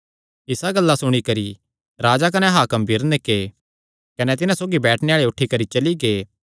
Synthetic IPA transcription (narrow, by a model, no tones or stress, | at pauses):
ɪsaɡɐlːasʊɽ̃ikɐɾi | ɾaːd͡ʒak̬ɐnɛɦaːkɐmbʱiɾneke | kɐnɛt̪ɪnãsoːɡibɛːʈʰneaːɭeʊʈʰːikɐɾit͡ʃɐliɡeː